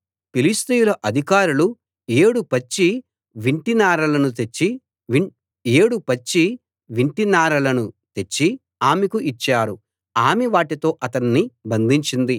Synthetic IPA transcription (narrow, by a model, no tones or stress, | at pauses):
pilist̪ujulɐʔɐd̪ʱikaːɾulu | eːɽupɐt͡ʃːi | ʋiɳʈinaːɾɐlɐnut̪et͡ʃːi | eːɽupɐt͡ʃːi | ʋiɳʈinaːɾɐlɐnut̪e̞t͡ʃːi | aːmikuʔit͡ʃːaːɾu | aːmiʋaːʈit̪o̞ːʔɐt̪ɐnːibɐnd̪ʱiɲt͡ʃind̪i